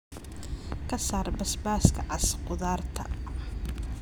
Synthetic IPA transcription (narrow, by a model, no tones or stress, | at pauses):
kʰɐsaːrbɐsbaːskʰɐʕɑsqʊðaːrt̪ʰɐ̰